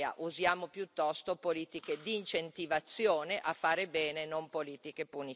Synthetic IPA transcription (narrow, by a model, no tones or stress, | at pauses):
a̰ʔuzjaːmopjut̪ːɔst̪opoliːt̪iked̪iːnt͡ʃent̪ivat̪sːjoːneʔafːaːɾebɛːnenompoliːt̪ikepuni